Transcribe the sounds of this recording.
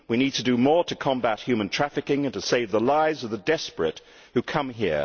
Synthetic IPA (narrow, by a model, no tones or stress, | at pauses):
winid̚tʰɨdɨmɔɹɾɨkʰɑ̃mbæt̚hjʉmə̃ntʰɹ̥æfɨkɪ̃ŋɨ̃ntɨseɪvðəlaɪzʌvðədɛspɹɨ̰t̚ | hʉkʰʌ̃mɦḭɹ